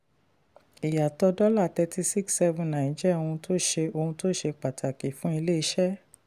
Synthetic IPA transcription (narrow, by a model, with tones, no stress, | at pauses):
i˨ja˨tɔ˧dɔ˦la˦˨tɛ˧ti˧si˦ksːɛ˦vũ˨nã˨ĩ˨˦d͡ʒɛ˦o˧hũ˧to˦ʃe˧o˧hũ˧to˦˨ʃe˧k͡pa˨tʰa˨ki˨fũ˨˦i˧le˦i˧˦ʃɛ˦